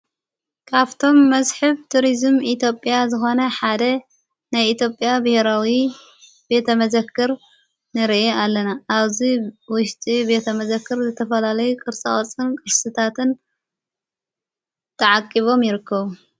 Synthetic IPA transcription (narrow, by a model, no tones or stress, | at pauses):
kʰaβt̪ʰo̞mːɐzħɨβt̪ʰuɾizmit̪ʰjo̞pʼjazɨxo̞nɐħad̪ɐ | najit̪ʰjopʼjabɐheɾawi | be̞t̪ʰɐmɐzɐkːɨɾ | nɨɾʔealːɐnaːβziwʊʃt̪ʼibe̞t̪ʰɐmɐzɐkːɨɾzɨt̪ʰɐfɐlalɐjukʼɨɾt͡sʼɐχʼɐt͡sʼːɨnkʼɨʃsɨt̪ʰat̪ʰɨn | t̪ʰɐʕakʼːiβo̞mjɪɾɨkʰːɐβu